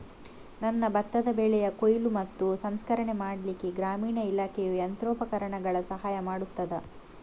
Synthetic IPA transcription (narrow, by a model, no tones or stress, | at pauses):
nɐnːɐbɐt̪ːɐd̪ɐbeːɭɛjɐkojlumɐt̪ːusɐmskɐɾɐɳemaːɽɐlikeɡɾaːmiːɳɐilaːkʰejujɐnt̪ɾoːpɐkɐɾɐɳɐɡɐɭɐsɐɦaːjɐmaːɽut̪ːɐd̪ɐ